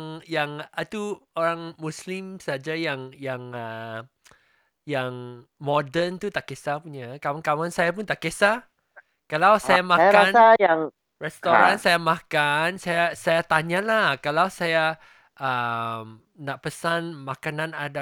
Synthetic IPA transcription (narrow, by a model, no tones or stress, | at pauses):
ŋjaŋat̪uoɾaŋmuslimsad͡ʒajaŋjaŋə | jaŋmɔdənt̪ut̪aʔkesapuɲakawankawansajap̬unt̪aʔkesa | kalawsajamãkanajaŋ | rɛst̪oɾansajamãkansajasajat̪aɲalahkalawsaja | ʔəm | naʔpəsanmakanãnada